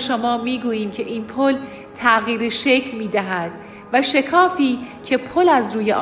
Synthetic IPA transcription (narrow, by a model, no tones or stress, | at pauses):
ʃomɒːmiːɡuːjiːmcʰe̞ʔiːnpʰol | t̪ʰæʔɣiːɾeʃecʰlmiːd̪æɦæd̪̥ | væʃe̞kʰɒːfiːcʰe̞pʰolæzɾuːjeʔ